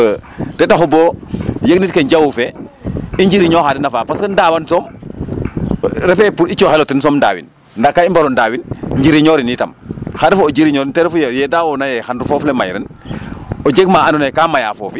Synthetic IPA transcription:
tɛtaxuboːjəɡ̚nitkeɲɟawufe | iɲɟiɾiɲoːxadinafaːpaskəndawansɔːm | ɾɛfɛpuɾit͡ʃːɔxelotinsɔmnda̰ːwḭn | ndakːaimbaɾɔndaːwinɲd͡ʒiɾiɲɔːɾinita̰mxadɛfuod͡ʒiɾiɲɔːɾintɛɾɛfujɛjɛdawonajɛxandufɔːflema̰jɾɛ̰n | od͡ʒeɡ̚maanɔnekamaja̰foːfi

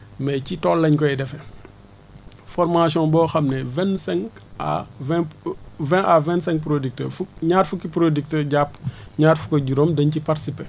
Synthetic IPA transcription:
mɛcitɔlːɐɲkɔɛdɛfɛ | fɔrmasjɔ̃bɔːxɐmnɛvɛnsɛ̃ŋka̰vɛ̃vɛ̃ʔavɛ̃ntsɛ̃ŋk̚pɾodik̚tə̰fukɲaːtfukːipɾodik̚təɟapːɲaːtfu̥kɐɟuɾomdɐɲcipaɾtsipe

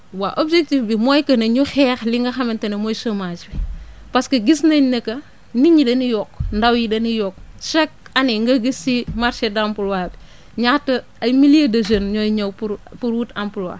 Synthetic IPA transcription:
waʔobd͡ʒek̚tifbimɔjkɐnɐɲuxɛːxliŋɡɐxɐmɐntɐnɐmɔjsomad͡ʒbi | pɐskɐɡisnɐɲnɐkɐ | niɲidɐnijɔkndɐwjidɐnijɔk̚ʃɛk̚ɐniŋɡɐɡisːimaɾʃedampulwaːbi | ɲatːɐ | ɐjmilijɐdɐd͡ʒɐnɲɔjɲɐwpuɾpuɾwutampulwa̰ː

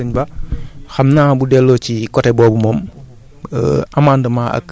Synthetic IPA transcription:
əɲbɐxɐmnaːbudɛlːɔːcikɔtɛbɔːbumɔm | ə̰ʔamaːndəmaːʔɐ̰k

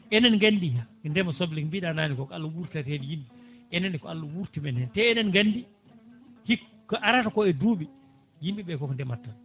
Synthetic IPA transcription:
ʔɛnɛnŋɡandihandɛmasoblikmbiɗanaːnikɔkalːawuɾtatedijimbiɛnanikɔalːawuɾtimɛnɛntɛɛnɛnɡandi | hik | kɔʔaɾatakɔɛduɓi | jimɓiɓɛkɔkɔndɛmatːan

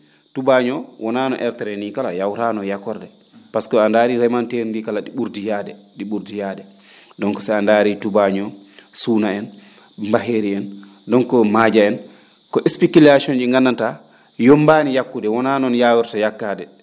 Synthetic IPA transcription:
tubaɲɔwʔɔnaːnɔ̰ʔɛɾtɛɾɛnikalajawɾanɔjakɔɾdɛ | paskɔandaɾiɾɛmanteɾndikalaɗiɓuɾdijadɛ | ɗiɓuɾdijadɛ | dɔnkɔ̥saandaːɾitubaɲɔ | suːnaɛn | mbaɦeɾiɛn | dɔnkɔmad͡ʒaɛn | kɔʔɛspikulasɔnd͡ʒiŋɡanːanta | jɔmbanijakːudɛwɔnanɔnjaːwiɾtajakːadɛ

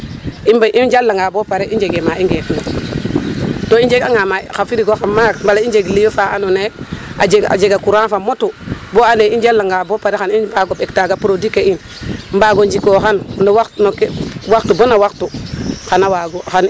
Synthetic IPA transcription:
imbaʔid͡ʒalːaŋɡabopaɾeʔiɲd͡ʒeɡemaiŋɡekŋo | toind͡ʒeɡaŋamaxafiɾiɡoxamakmbalaind͡ʒeɡlijofaanonea̰d͡ʒeɡa̰d͡ʒeɡakuɾanfamotuboaneid͡ʒalːaŋɡaːbopaɾexanibaɡobektaɡapɾodikein | mbaːɡoɲd͡ʒikoxannowaktnokewaktubonawaktuxanawaɡoxan

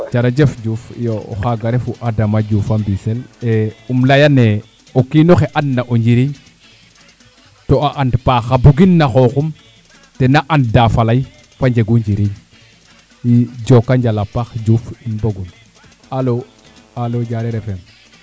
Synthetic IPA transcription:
t͡ʃaɾad͡ʒefd͡ʒuːfjo̰xaɡaɾefuʔadamad͡ʒuːfambiseleumlajane | okinoxeʔanːaʔoɲd͡ʒiɾiɲ | toaʔandpaxabuɡinːaxoxum | tenaʔanddafalaj | faɲd͡ʒeɡuɲd͡ʒiɾiɲ | iɟokːaɲd͡ʒalapaxd͡ʒuːfinboɡun | alo | aloɟaɾeɾefem

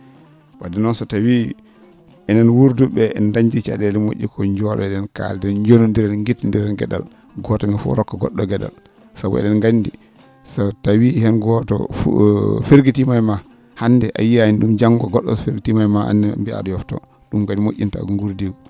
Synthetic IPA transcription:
wadɛnɔnsɔtawi | ɛnanwuɾdubɛɛndaɲd͡ʒit͡ʃa̰dɛlɛmoʔːḭkɔɲd͡ʒɔɗɔ̰ɛɗɛnka̰ldɛɲd͡ʒonundiɾɛnŋɡitːndiɾɛnɡɛ̰ɗa̰l | ɡɔtɔmɛfɔ̰ɾɔkːɔɡɔ̰ɗːɔɡɛɗa̰l | sabɔ̰ɛ̰ɗɛnɡandi | sɔtawihɛnɡɔtɔ̰ | feɾɡitimajma | hanːdɛʔa̰jiainɗumd͡ʒaŋɡɔɡɔɗːɔ̰sfeɾɡitimajmaha̰ndɛmbia̰ɗɔjɔftɔ̰ | ɗumkadimoʔʲːinta̰ŋɡuɾdiw

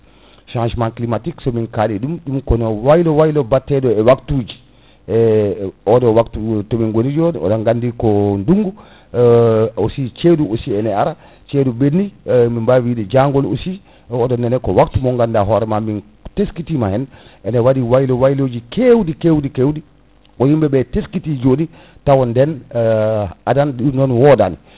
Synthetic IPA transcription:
ʃãnʃmanklimatiksɔminkaliɗumɗumkɔnɔwajlɔwajlɔbatːɛdɔɛwaktuːd͡ʒi | ɔdɔwaktutɔminɡolid͡ʒɔɔ̰dɔŋɡandikɔnduŋɡu | osit͡ʃeduosiɛnɛaɾa | t͡ʃedubenːimimbawidɛd͡ʒaŋɡɔlo̰si | ɔdɔnɛnɛkɔwaktumɔŋɡandaɦɔɾɛmamin | teskitimahɛnʔɛnɛwadiwajilɔwajlod͡ʒikewdikewdikewdi | ɔjimbɛbɛteskitid͡ʒodi | tawɔndɛn | adanunɔnwɔdani

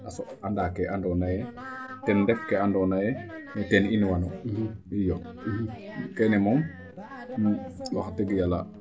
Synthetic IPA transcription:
asoandaːkɛʔandɔnajɛtɛndɛfkɛandɔnajɛnɛtɛninwanoijo | kɛnɛmoŋ | waxtɛɡjala̰

